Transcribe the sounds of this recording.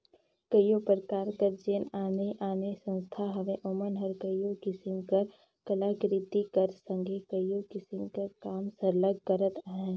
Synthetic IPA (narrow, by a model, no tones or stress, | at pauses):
kəjopəɾkaːɾkəɾd͡ʒenaːneʔaːnesə̃nst̪ʰaɦɐʋẽʔʊmənɦəɾkəjjokɪsɪmkəɾ | kəlaːɡɾɪt̪ikəɾsə̃ŋɡʱekəjokɪsɪmkɐɾkaːmsəɾləɡ̚ːəɾət̪əɦɛ̃ː